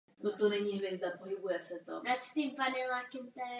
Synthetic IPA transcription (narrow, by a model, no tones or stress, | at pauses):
not̪onɛɲiɦvjɛzd̪apoɦɪbujɛsɛt̪o̰nat̪st̪impanɛlakɪmt̪ɛ